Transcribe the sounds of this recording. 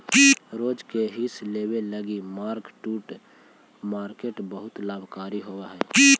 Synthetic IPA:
kiɾoːd͡ʒkeɦisleːweləɡimaːɾkʈuːʈ | maːɾkeːʈbəɦʊt̪laːbʱkaːɾiɦoːwaɦɛːi

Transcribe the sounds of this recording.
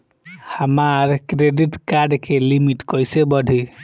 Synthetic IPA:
hamaɾkɾeɖiʈkaɾɖkelimiʈkɔjsebɔɖʱi

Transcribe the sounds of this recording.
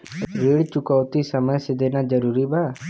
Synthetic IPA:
ɾeɽt͡ʃukəwt̪isəməjsed̪enad͡ʒəɾuɾibaː

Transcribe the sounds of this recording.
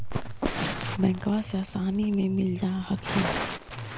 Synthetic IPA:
mɛ̃ːŋkʋasaːsaːnimẽmɪld͡ʒaːhɐkʰiː

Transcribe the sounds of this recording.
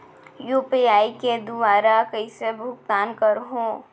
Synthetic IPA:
juːpiaːiked̪ʊʋaːɾakəisebʱʊk̚t̪aːnkəɾɦõː

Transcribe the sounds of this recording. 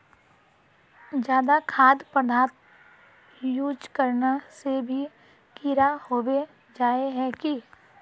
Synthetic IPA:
d͡ʒjaːd̪akʰaːd̪pəd̪ʱaːt̪ | juːd͡ʒkəɾnasebʱi | kiɾahoːwe | d͡ʒaːeɦɛ̃ki

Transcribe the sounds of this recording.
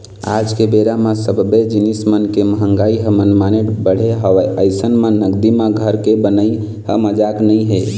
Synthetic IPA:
a̰d͡ʒkebeɾamãsəbbed͡ʒinismənkeməɦə̃ŋɡaiɦəmənmaneʈbəɽ̤eɦəʋəəɪsənmãnəɡd̪imãɡʱəɾkebənəi | ɦəməd͡ʒaknəiɦe

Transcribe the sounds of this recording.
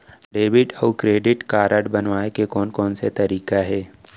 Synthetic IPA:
ɖeːʋɪʈɔkɾeːɖɪʈkaːɾəɖbɐnʋaːekekɔːnkɔːnset̪ɐɾiːkaɦɛː

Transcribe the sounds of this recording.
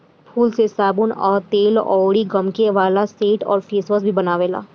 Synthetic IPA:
pʰuːlsesaːbʊnɔːɾt̪eːlɔ̰ːɽiɡɐmkeʋaːlaseːʈɔ̰ːɾfeːsʋəsbʱibɐnaːʋeːla̰ː

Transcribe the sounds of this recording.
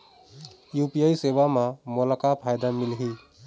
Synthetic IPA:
jupijaiseʋamãmolakapʰajd̪amɪlɦi

